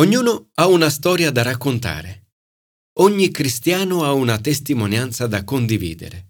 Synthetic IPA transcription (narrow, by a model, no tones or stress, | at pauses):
oɲːuːnʊaunast̪ɔːɾjad̪aɾakːʊnt̪a̰ːɾɪ | ɔɲːikɾist̪jaːnʊaunat̪est̪imɔnjant̪sad̪akːond̪ivḭːd̪ɪ̰ɾe